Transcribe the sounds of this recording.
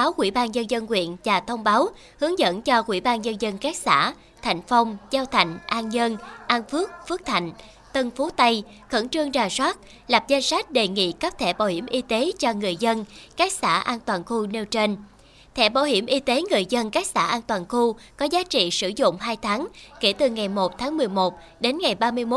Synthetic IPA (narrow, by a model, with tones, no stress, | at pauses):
aː˨˦wkwḭ˧˩ɓaː˧nzə˧nzə˧nkwḭ˧˨ənvaː˨˩t̪ʰə˧wŋ͡mɓaː˨˦w | hɨ˨˦əŋzə̰˧˥nt͡ɕɔ˧kwḭ˧˩ɓaː˧nɲə˧nzə˧nkaː˦˥k̚sa̰ː˧˥ | t̪ʰa˨˧˩jŋ̟fa˧wŋ͡mzaː˧wt̪ʰa̰˨˧˩jŋ̟ʔaː˧nɲə˧nʔaː˧nfɨ˦˥ək̚fɨ˦˥ək̚t̪ʰa̰˧˨jŋ̟ | t̪ə˧nfo˨˦t̪a˧j | xə̰˧˥nt͡ɕɨ˧əŋzaː˨˩swaː˦˥t̚ | la˨˩p̚za˧ŋsa˦˥jk̟̚ɗe˨˩ŋḭ˧˨ka˦˥p̚t̪ʰɛ̰˧˩ɓa̰ː˧˩whi˧˩əmʔi˧t̪e˨˦t͡ɕɔ˧ŋɨ˨˩əjzə˧nkaː˦˥k̚sa̰ː˧˩ʔaː˧nt̪waː˨˩nxu˧ne˧wt͡ɕe˧n | t̪ʰɛ̰˧˩ɓaː˧˩whi˧˩əmʔi˧t̪e˨˦ŋɨ˨˩əjzə˧nkaː˦˥k̚sa̰ː˧˩ʔaː˧nt̪waː˨˩nxu˧kɔ˨˦zaː˨˦t͡ɕḭ˧˨sɨ̰˧˩zʊ̰˧˨ŋ͡mɦaː˧jt̪ʰaː˨˦ŋke˧˩t̪ɨ˨˩ŋa˨˩jmo˨˩t̚t̪ʰaː˨˦ŋmɨ˨˩əjmo˨˩t̚ | ɗe˨˦nŋa˨˩jɓaː˧mɨ˧əjmo˦˥